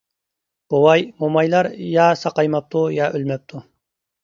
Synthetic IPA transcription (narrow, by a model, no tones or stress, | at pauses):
b̥owɑjmomɑjlˠɑɾjɑsɑqɑjmɑp̚t̪ʰujɑʔølmɛp̚t̪ʰu